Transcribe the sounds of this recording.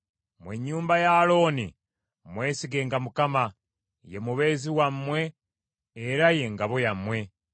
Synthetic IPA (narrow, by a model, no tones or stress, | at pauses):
mweɲːuːmbajalo̞ːni | mwe̞ːsiɡe̞ːŋɡamukama | je̞muβe̞ːziwamːwe̞ː | ɾaje̞ŋɡaβojamwe̞